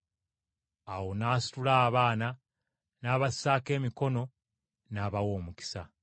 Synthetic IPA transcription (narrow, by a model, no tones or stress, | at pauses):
awo̞naːsi̥tulaːβaːna | naːβasaːke̞ːmiko̞no̞ | naːβawo̞ːmuki̥sa